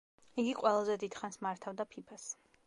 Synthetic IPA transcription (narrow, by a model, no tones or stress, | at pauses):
iɡiqʼwɛlˠazɛd̪id̪̥χansmaɾt̪ʰavd̪apʰipʰas